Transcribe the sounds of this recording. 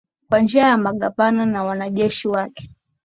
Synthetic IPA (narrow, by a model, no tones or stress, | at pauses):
kwand͡ʒiajamaɠapananawanaʄɛʃiwakɛ̥